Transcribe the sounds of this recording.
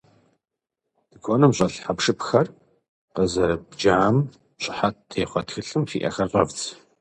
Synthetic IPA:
d̥ɨkʷʰonɨmɕʼɐɬħapʂɨpxɐr | qəzɐɾɐbd͡ʒaːm | ɕʼɪħatʰeːχʷɔtxɨɬɨmfḭːʔɐ̰xɐɕʼɐvt͡sʰʼ

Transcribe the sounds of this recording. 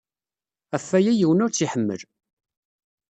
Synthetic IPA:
æfːæjæjiwənʊɾt͡sːiħəmːə̰l

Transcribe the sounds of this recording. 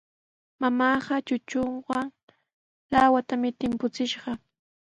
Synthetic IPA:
mamɑːɢɑt͡ʃʊt͡ʃoɴwaŋ | lawat̪amɪt̪ɪmpʊt͡sɪʃɢɑ

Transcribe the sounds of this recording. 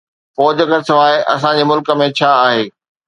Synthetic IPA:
fɔːd͡ʑəkəɾɪsɐʋaːeʔɐ̰s̬ãd͡ʑeːmʊlkə̆mẽt͡ɕʰaːɦeː

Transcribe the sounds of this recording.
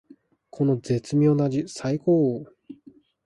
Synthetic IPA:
kʰo̞no̞d͡ze̞t͡sɨmʲjo̞ːnad͡ʑisaikoːo

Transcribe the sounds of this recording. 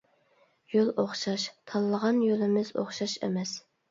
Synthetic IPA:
jolˠʔoχʃɑʃt̪ʰɑlˠːəʁɑnjolˠɪmɪzo̰χʃɑʃḛmɛs

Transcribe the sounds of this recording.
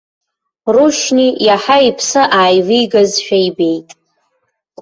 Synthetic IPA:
ruʃnijaħaipʰsɨʔaːjvijɡazʃᶣajbe̞jtʼ

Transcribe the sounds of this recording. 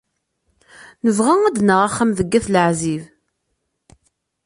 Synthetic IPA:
nəvʁæŋæd̪nəʁaχːəmðəɡːæθlʕziv

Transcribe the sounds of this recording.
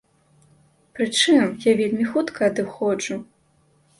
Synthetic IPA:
pɾɨt͡ʂɨmjavʲelʲmʲixut̪kʰɐːd̪ɨxɔt͡ʂu

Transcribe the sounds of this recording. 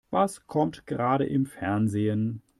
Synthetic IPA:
vaskʰɔmtɡ̥əʁaːɾəʔɪmfɛɐnzeːən

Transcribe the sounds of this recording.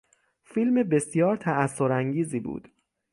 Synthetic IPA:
fiːlmebesijɒːɾt̪ʰææsːoɾæŋɟiːziːbṵːd̪̥

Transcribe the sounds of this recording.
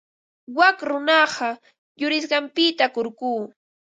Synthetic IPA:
wakɾʊnɑɢɑ | jʊɾɪs̬ɢɑmpɪt̪akoɾkuː

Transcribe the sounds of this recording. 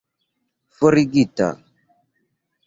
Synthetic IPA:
foɾiɡita̰

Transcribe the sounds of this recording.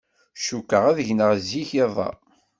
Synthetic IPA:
ʃukːəʁæðəʝnəʁzːiçeðˤɑ̰

